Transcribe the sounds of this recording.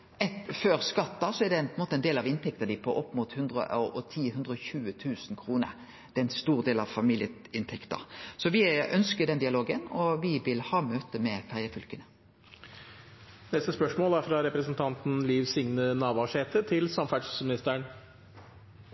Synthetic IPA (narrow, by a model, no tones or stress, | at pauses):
ɛføːʁskɑt̪ːɑsɔæɖɛpʰɔɛnmoːt̪əɛɪnd̪eːlɑʋɪnt̪ʰɛk̚t̪əd̪ɪpʰɔʔɔpːmuːt̪hʉnd̪ɾə̰ɔt̪ʰiːhʉnd̪ʁəɔçʉːət̪ʰʉːsnkʰʁuːnə̰ʁ | d̪̥ɛɛnst̪uːʁd̪eːlɑʋfɑmiːljəɪnt̪ʰɛkt̪ə̰ʁsɔʋɪœnskəd̪ɛnd̪ɪɑloːɡənɔʋɪʋɪlhɑːmøːt̪əmɛfæʁjəfʉlkənə | nɛst̪əspœʂmoːlæfɾɑɾɛpɾəsnt̪ʰɑnt̪n̩liːʋsɪŋnənɑːʋɑʂeːt̪ət̪ʰɪlsɑmfæʈʂmɪnɪst̪əɳ